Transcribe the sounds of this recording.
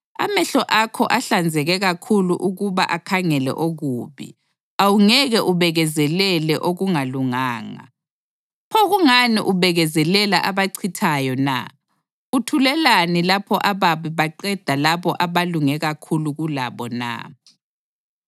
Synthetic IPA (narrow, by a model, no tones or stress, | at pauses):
a̰mɛɬɔʔakʰɔʔaɬand͡zʱɛɣɛɣakʰuluʔuɣuβaʔakʰaŋɛlɛ̰ʔoɣuːβḭ | awuŋɛɣɛʔuβɛɣɛzɛlɛlɛʔoɣuŋaluŋaːŋa̰ | pʰoɣuŋanḭʔuβɛɣɛzɛlɛlaʔaβaǀʰitʰajɔna̰ | utʰulɛlanilapʰɔʔaβaβiβaǃɛd̥ʱalaβɔʔaβaluŋɛɣakʰuluɣula̰βɔna̰